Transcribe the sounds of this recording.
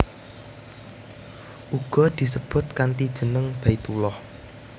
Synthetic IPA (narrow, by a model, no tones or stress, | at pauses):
ʔuɡ̥ɔ̤d̪̥i̤səb̥ʊ̤t̪̚kant̪id̥ʒ̥ə̤nəŋb̥a̤it̪ulɔh